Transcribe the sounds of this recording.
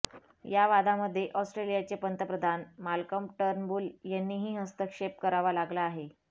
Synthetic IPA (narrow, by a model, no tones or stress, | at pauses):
jaʋad̪aməd̪ʱːjeʔɔsʈɾelijat͡sepənt̪əpɾəd̪ʱanmalkəmʈəɾnbuːljanːiːɦiːɦəst̪əkʂep̚kəɾaʋalaɡlaːɦe